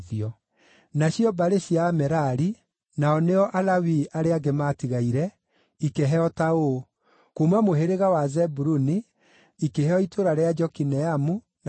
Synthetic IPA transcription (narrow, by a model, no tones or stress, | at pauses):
ðiɔ | naɕjɔbaɾeɕjaːmɛɾaɾi | naɔneɔʔalawiaɾeaɡematiɣaiɾɛ | ikeɦɛɔtao | komwamoɦeɾeɣawazɛbuɾuniː | kehɛɔitoɾaɾead͡ʒɔkinɛamu | n